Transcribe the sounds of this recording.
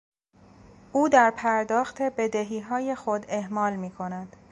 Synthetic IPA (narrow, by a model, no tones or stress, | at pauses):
ʔuːd̪æɾpʰæɾd̪ɒːxt̪ʰe̞be̞d̪e̞ɦiːɦɒːje̞xo̞d̪e̞hmɒːlmiːkʰo̞næd̪̥